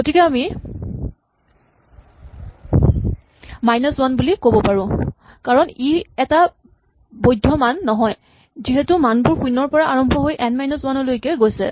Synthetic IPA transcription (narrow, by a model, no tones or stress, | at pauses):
ɡotikɛami | majnɔswanbulikobɔpaɹʊ̃ | kaɹɔniɛta | bojdʱːɔmanːɔɦɔj | ziɦɛtʊmanbʊɹxujnɔɹpɔɹaaɹɔmbʱɔɦojʔɛnmajnɔswanɔlojkɛɡojsɛ̰